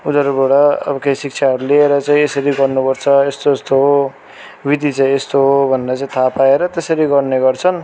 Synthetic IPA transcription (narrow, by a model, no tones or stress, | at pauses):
ud̪ʌɾuboɽʌʌ̰bʌkejsik̚t͡sʰaɦʌɾulieɾʌt͡saĩesʌɾiɡʌrnupʌrt͡sʰʌest̪oest̪oɦo | bid̪it͡saĩest̪oɦobʱʌnd̪at͡saĩt̪ʰapaeɾʌt̪esʌɾiɡʌrneɡʌrt͡sʰʌn